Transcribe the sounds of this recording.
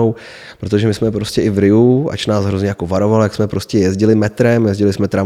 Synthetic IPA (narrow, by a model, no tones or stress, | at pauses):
ow | pɾot̪̬oʒɛmɪsmɛpɾo̞scɛʔɪvɾɪuʔa̰t͡ʃnaːzɦɾozɲɛjako̞vaɾo̞valjaksmɛpɾo̞scɛjɛzɟɪlɪmɛt̪ɾɛmjɛzɟɪlɪsmɛt̪ɾa